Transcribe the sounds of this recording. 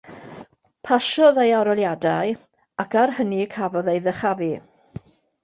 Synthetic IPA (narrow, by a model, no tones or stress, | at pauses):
pʰaʃɔðejaɾɔlˠjadaɨ | akarhənikʰavɔðejðəχavi